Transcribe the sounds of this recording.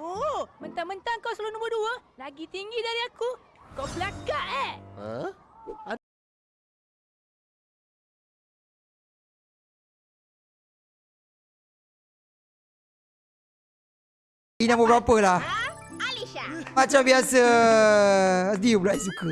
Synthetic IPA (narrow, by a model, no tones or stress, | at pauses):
omənt̪aŋmənt̪aŋkawslunɔ̃mbəduəlaɡit̪iŋɡidaɾiakukawpəlakaʔɛ | inãŋbəbɾapəlahaliʃamãt͡ʃambiasə | sdiublaʔɛs̬iku